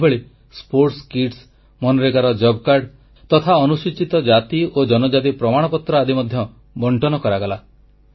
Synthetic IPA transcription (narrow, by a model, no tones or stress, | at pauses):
beɭi | spoɾʈskiʈs | mɔnɔɾeɡaɾɔd͡ʒɔbkaɾɖ | t̪ɔt̪ʰaɔnusit͡ʃit̪ɔd͡ʒat̪iod͡ʒɔnɔd͡ʒat̪̬ipɾɔmaɽ̃ɔpɔt̪ɾɔad̪imɔd̪ʱjɔ | bɔɳʈɔnɔkɔɾaɡala